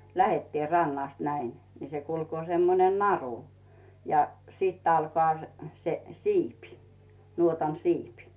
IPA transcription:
læhetːiːn̞ rɑnːɑst næin nĭ se kulkoː semːonen nɑru jɑ sit ɑlkŏɑˑ se se siːpi nuotɑn siːpi

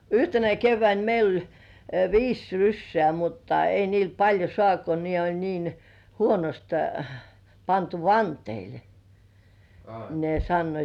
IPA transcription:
yhtenæ keʋːæin meil olʲ ʋiːs rysːĕæˑ mutːɑ ei niːl pɑlʲjo sŏɑˑnt ko ne olʲ niːn huonost pɑntu ʋɑnteile̥ ne sɑnːoit

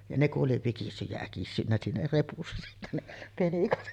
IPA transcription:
jɑ ne kuʔ ʔoli ʋikisːyj jæ ækisːynːæ siːnæ repusːɑ̥ sitːæ ne penikɑt

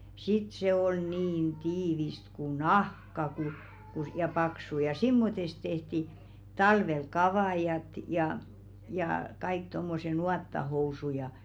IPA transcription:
sit se ol niːn tiːʋist ku nɑhkɑ ku ku s jɑ pɑksu jɑ simːotest tehti tɑlʋel kɑʋɑˑjɑt jɑ jɑː kɑik tomːose nuɑtːɑhousu jɑ

